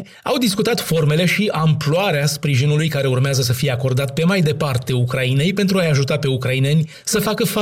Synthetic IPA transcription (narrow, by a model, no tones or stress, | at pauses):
awd̪iskut̪at̪fo̞rme̞le̞ʃiʔamploaɾeaspɾiʒinulujkaɾe̞urmeazəs̬əfije̞ako̞rd̪at̪̚pe̞majd̪e̞part̪e̞ukɾaine̞jpe̞nt̪ɾuajaʒut̪ape̞ukɾaine̞nʲ | səfakəfa